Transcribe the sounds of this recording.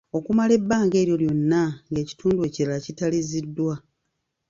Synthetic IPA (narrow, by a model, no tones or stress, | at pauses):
o̞kumale̞bːaːŋɡe̞ːɾjo̞ljo̞nːaŋɡe̞ːci̥tuːndue̞ːciɾalacitalizidːwa